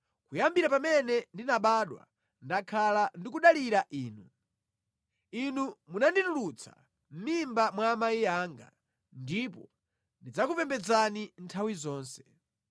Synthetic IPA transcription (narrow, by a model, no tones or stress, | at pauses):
kujambiɾapamɛnɛndinaɓaɗwa̰ | ndakʰalandikuɗaliɾaʔiːnu | inumunanditulut͡sa̰ | m̩mimbamwamaijaːŋɡa̰ | ndipɔ | ndid͡zakupɛmbɛd͡zanintʰawizɔːnsɛ̥